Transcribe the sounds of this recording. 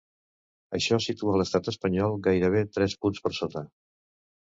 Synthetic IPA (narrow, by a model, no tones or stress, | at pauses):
ə̰ʃɔsit̪uələst̪at̪əspəɲɔlˠɡajɾəβ̞et̪ɾɛspunspəɾsot̪ə